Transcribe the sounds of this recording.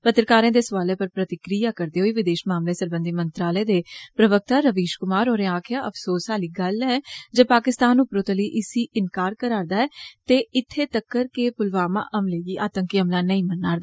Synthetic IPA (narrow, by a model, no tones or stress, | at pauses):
pət̪ɾəkaːɾẽːd̪eːsʋaːleːpəɾpɾət̪ɪkɾijaːkəɾd̪eːɦoiːʋɪd̪eːʃmaːmleːsəɾbə̃nd̪iːmənt̪ɾaːləeːd̪eːpɾəʋək̚t̪aːɾəʋiːʃkʊmaːɾoːɾeaːkʰjaːʔəpʰsoːsɦaːliːɡəlːɛːd͡ʒepaːkɪst̪aːnʊpɾoːt̪aləiːʔɪsiːʔɪnkaːɾkəɾaːɾd̪aːɛːt̪eːɪt̪ʰːeːt̪əkːəɾkepʊlʋaːmã̰ːʔəmleːɡiːʔaːt̪ə̃ŋkiːɦəmlaːnəĩːmənːaːɾd̪aː